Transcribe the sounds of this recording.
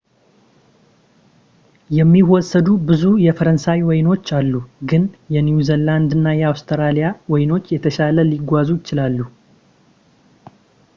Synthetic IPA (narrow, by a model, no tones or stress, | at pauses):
jɛmːiwɔsːəd̪ubɨzujɛfəɾənsawwɔjɪno̞t͡ʃːalːuɡɨnjɛnjuzɛland̪ɨnːajɛawst̪ʰəɾalijawɔjɪno̞t͡ʃːjɛt̪ʰəʃaləliɡʷazujɪt͡ʃɪlalːu